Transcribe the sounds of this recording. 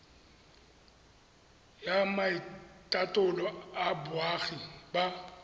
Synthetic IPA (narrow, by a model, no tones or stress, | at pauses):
jamaitʼatʼʊlɔabwaɣiba